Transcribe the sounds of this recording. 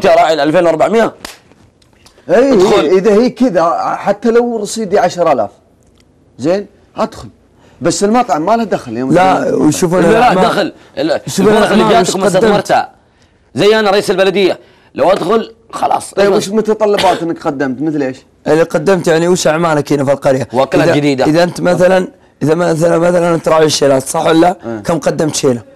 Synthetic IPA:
t̪iɾˤɑːʕjlʔalfeːnwɑɾˤbaʕmɪja | ʔiːhʊlʔəðahiːkɪðaħat̪ːalawɾˤɑsˤiːd̪iʕaʃɾˤala̰ːf | zeːn | ʔad̪xʊl | basːəlmɑt̪ˤʕamːalad̪axaljomlawjʃuːfunaad̪axl | ʃuːfjaːkad̪amɑɾˤt̪a̰ | zajːʔanaɾˤɑʔiːsalbalad̪ɪjːa | lawʔad̪xʊlxɑ̰lɑ̰ːsˤjbɪʃmʊt̪ɑt̪ˤɑlːɑbɑːt̪ʔɪnːakqɑd̪ːamt̪mɪθleːʃ | ʔɪlːiqɑd̪ːamt̪jaʕniwiʃʔaʕmaːlakiːnafilqɑɾjawaklaðad͡ʒɪd̪iːd̪aʔɪðaʔɪnt̪maθalan | ʔɪðamaθalamaθalanʔɪnt̪ɾˤɑːʕiʃeːlaːt̪sˤɑħːwalːakamqɑd̪ːɪmt̪ʃeːla

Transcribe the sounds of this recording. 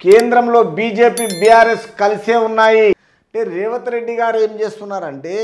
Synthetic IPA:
keːnd̪ɾɐmlo̞ːbiːd͡ʒe̞ːpiːbijaːɾe̞skɐliseːunːaːji | ɐɳʈe̞ːɾeːʋɐt̪ɐɾe̞ɖːiɡaːɾe̞ːmt͡ʃe̞ːst̪unːaːɾɐɳʈe̞ː

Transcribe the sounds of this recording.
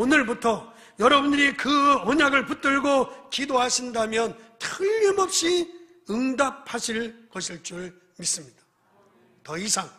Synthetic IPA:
onɯɭbutʰʌ | jʌɾʌbundɯɾikɯʌɲaɡɯɭput͈ɯɭɡokidoɦaɕʰindamjʌntʰɯʎːimʌp̚ɕ͈i | ɯŋdap̚ʰhaɕʰiɭkʌɕʰiɭt͡ɕ͈uɭ | mis͈ɯmɲid̥ḁ | tʌisʰaŋ

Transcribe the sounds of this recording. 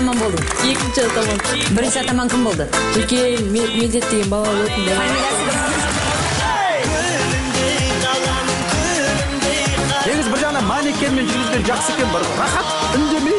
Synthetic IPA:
mɑnbo̞lˠd̪əɴ | e̞kʲɪnʃɪt̪ɑmɑ | bɪɾɪnʃɪɑt̪ɑmɑŋkʲʰɪmbo̞lˠd̪əwɵt̪̚kʲenmeld̪e̞t̪̚d̪e̞ɡʲe̞nbɑlˠɑwɵt̪ɪnd̪emei | ne̞ɡʲɪzɪbɪɾʒɑʁənɑmɑne̞kʲenɪme̞nʒʏɾɡɪzɡʲenʒɑχsəe̞kʲe̞nbɪɾɾɑχɑt̪ | ʏnd̪e̞me

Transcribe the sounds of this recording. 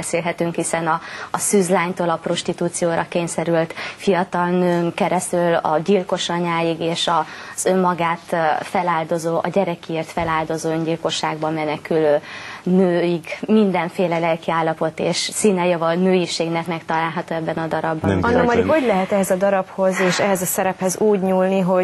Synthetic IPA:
seːlɦɛt̪yŋkhisɛnɒːsyzlaːɲt̪oːlɒpro̞ʃt̪it̪uːt̪sijoːɾɒkeːɲsɛɾylt̪fijɒt̪ɒlnøːŋkɛɾɛst̪ylɒ̰ɟilko̞ʃɒɲaːjiɡeːʃɒz̥ømːɒɡaːt̪fɛlaːld̪o̞zoːʔɒ̰ɟɛɾɛkieːrt̪fɛlaːld̪o̞zoːøɲɟilko̞ʃːaːɡbɒmːɛnɛkyløːnøːjiɡmind̪ɛɱfeːlɛlɛlkiaːlːɒpo̞t̪eːʃsiːnɛjɒvɒnøːjiʃeːɡnɛkmɛkt̪ɒlaːlɦɒt̪oːɛbːɛnɒd̪ɒɾɒbːɒnnːɔmɛɾikhoɟlɛɦɛt̪ɛɦɛzɒd̪ɒɾɒpho̞zeːʃɛɦɛzɒsɛɾɛphɛzuːɟɲuːlniɦo

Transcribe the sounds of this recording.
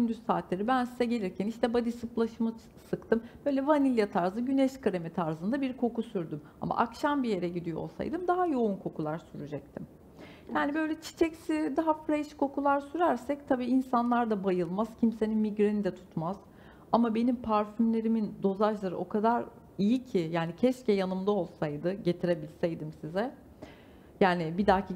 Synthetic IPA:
ynd̪yssaːt̪lʲe̞ɾibænsizɛɟe̞lʲiɾcʰæniʃt̪ʰɛbad̪isɯplˠaʃɯmɯ | sɯkt̪ʰɯmb̥ø̞jlʲɛvanilʲjat̪ʰaɾzɯɟynɛʃkʰaɾemit̪ʰaɾzɯnd̪abiɾkʰo̞kusyɾd̪ym | a̰ma̰ʔa̰kʃambije̞ɾɛɟid̪ijoo̞̰lˠsa̰jd̪ɯmd̪aɦajo̞unkʰo̞kulˠaɾsyɾyd͡ʒɛc̚t̪ʰim | jaːnibø̞jlʲɛt͡ʃʰi̥t͡ʃʰɛcsid̪aɦafɾeʃkʰo̞kulˠaɾsyɾæɾsɛc̚t̪ʰabiːinsanlˠaɾd̪abajɯlˠmaz̥cʰimse̞ninmiɟɾenid̪ɛt̪ʰu̥t̪maz̥ | amabe̞nimpʰaɾfymlʲe̞ɾimind̪o̞zat͡ʃlˠaɾɯ̰o̞kʰad̪aɾ | ijicʰijaːnicʰɛʃcɛjanɯmd̪ao̞lˠsajd̪ɯɟe̞t̪ʰiɾe̞bilʲsɛjd̪imsizɛ | jaːnɪbid̪acʰi

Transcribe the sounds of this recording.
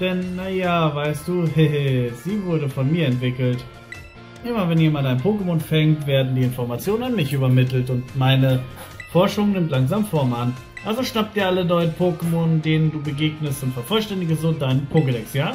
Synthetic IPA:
d̥ɛnːajaːvaɪstd̥uːheɦez̥iːvʊɐɾəfɔnmiːɐɛntv̥ɪkl̩t | ʔɪmavɛnjeːmantaɪnpʰoːkəmonfɛŋktv̥eːɐdn̩diːɪnfɔɐmat͡sjoːnənanmɪçʔyːbɐmɪtl̩tʊntmaɪnəfɔɐʃʊŋnɪmtlaŋzaːmfɔɐman | ʔalzoʃnap̚d̥iːɐʔalənɔʏənpʰoːkəmondeːnənduːbəɡeːɡnəstʊntfɛɐfɔlʃtɛndɪɡəzodaɪnənpʰoːkədɛksjaː

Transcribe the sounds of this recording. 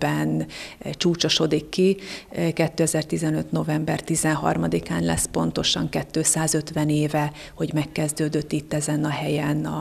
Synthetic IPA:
bɛnt͡ʃuːt͡ʃo̞ʃo̞d̪ikːikɛt̪ːøːɛzɛrt̪izɛnøt̪no̞vɛmbɛrt̪izɛnɦɒ̰rmɒd̪ikaːnlɛ̰spo̞n̪t̪o̞ʃɒŋkɛt̪ːøːsaːzø̞t̪ʋɛneːvɛ | ho̞ɟmɛkːɛzd̪øːd̪øt̪ːit̪ːɛzɛnɒɦɛjɛnɒ

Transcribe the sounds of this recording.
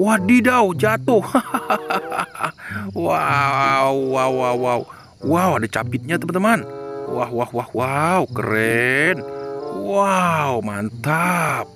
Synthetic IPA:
wahdidawd͡ʒat̪ʊh | wa | wwawwawwaw | wawadat͡ʃa̰pɪt̪̚ɲat̪əmənt̪əmanwahwahwahwawkəɾɛnwawmant̪ap̚

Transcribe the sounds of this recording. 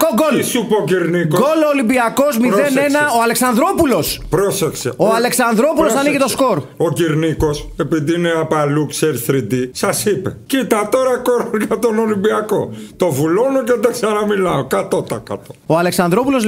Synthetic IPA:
koɡolsupoociɾnikoɡoloːlimbiɐko̞zmiðe̞ne̞nɐoɐle̞ksɐnd̪ɾo̞pulo̞spɾosexseoɐle̞ksɐnd̪ɾo̞pulos̬ɐniɣet̪o̞sko̞ɾociɾniko̞s | e̞piðiineɐpɐlukseɾθɾid̪isɐsipe̞̰cit̪ɐt̪o̞ɾɐkoɾoʝɐt̪ono̞limbiɐko̞̰t̪ovulonoced̪eksɐnɐmilɐokɐt̪ot̪ɐkɐ̰t̪ooɐle̞ksɐnd̪ɾo̞pulo̞z

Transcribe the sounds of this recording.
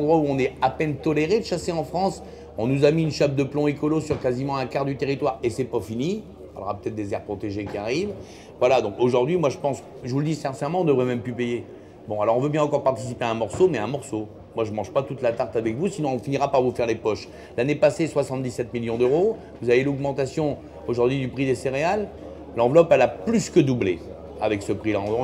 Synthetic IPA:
ɑ̃d̪ʁwauɔ̃nɛapɛnt̪ɔleʁed̪əʃaseɑ̃fχɑ̃s | ɔ̃nuzamiynʃab̚d̪əplɔ̃ekɔlosyʁkazimɑ̃ɛ̃kaʁd̪yt̪eʁit̪waʁesɛpafini | fa̰lʁapøt̪ɛt̪χd̪ezɛʁpχɔt̪eʒekʲiaʁiv | vwalad̪ɔ̃koʒuʁd̪ɥimwaʒəpɑ̃s | ʒəvuləd̪isɛ̃ʁsɛʁmɑ̃ɔ̃d̪əvʁɛmɛmplypeje | bɔ̃alɔʁɔ̃vøbjɛ̃ɑ̃kɔʁpaʁt̪i̥sipeaɛ̃mɔʁsomɛɛ̃mɔʁso | mwaʒəmɑ̃ʒpat̪ut̪lat̪aʁt̪avɛkvusinɔ̃ɔ̃finiʁapaʁvufɛʁlepɔʃ | lanepaseswasɑ̃t̪d̪isɛt̪miljɔ̃d̪øʁo | vuzavelɔɡmɑ̃t̪asjɔ̃ | oʒuʁd̪ɥid̪ypχid̪eseʁealː | ɑ̃vlɔpalaplyskəd̪uble | avɛksəpχilã

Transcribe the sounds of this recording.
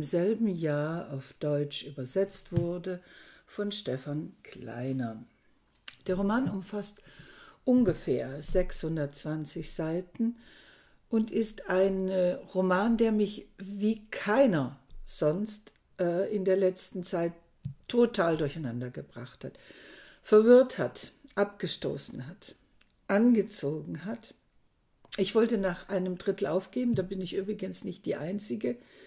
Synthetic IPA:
mzɛlbm̩jaːɐa̰ʊfd̥ɔʏt͡ʃʔyːbɐzɛt͡stv̥ʊɐdəfɔnʃtɛfankʰl̥a̰ɪnɐ | d̥eːɐʁ̞omaːnʊmfastʔʊnɡəfeːɐzɛkshʊndɐt̚t͡sv̥ant͡sɪçz̥aɪtn̩ | ʔʊntɪstaɪnʁomaːndeːɐmɪçviːkʰaɪnɐz̥ɔnst | ʔɛːʔɪndeːɐlɛt͡stn̩t͡saɪtʰː | otʰaːldʊɐçaɪnandɐɡəbʁa̰χthat | fɛɐvɪɐthatʔap̚ɡ̥əʃto̰ːsn̩ɦat | ʔanɡət͡soːɡŋ̩ɦat | ʔɪçv̥ɔltənaːχʔaɪnəmdʁɪtl̩ʔaʊfɡ̥eːbm̩daːbɪnɪçʔyːbʁɪɡənsnɪçt̚d̥iːʔaɪnt͡sɪɡə

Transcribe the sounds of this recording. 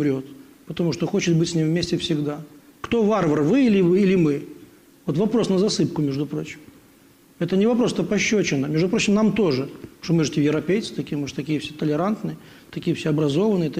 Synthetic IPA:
ɾʲo̞t̪ | pət̪ɐmuʂt̪oxo̞t͡ɕɪt̪̚bɨtʲsʲnʲimvmʲesʲtʲɪfsʲɪɡd̪akt̪o̞varvərvɨilʲɪvɨilʲɪmɨ | vo̞t̪vɐpɾo̞snəzɐsɨp̚kʊmʲeʐd̪ʊpɾo̞t͡ɕɪ̥m | ɛt̪ənʲɪvɐpɾosɛt̪əpɐɕːot͡ɕɪnəmʲeʐd̪ʊpɾo̞t͡ɕːɪmnamt̪o̞ʐɨʂt̪omɨʐɨtʲɪjɪvɾɐpʲejt̪sɨ̥t̪ɐkʲijmɨʐɨ̥t̪ɐkʲijəfsʲet̪əlʲɪɾant̪nɨjə | t̪ɐkʲijəfsʲeɐbɾɐzo̞vənɨjət̪

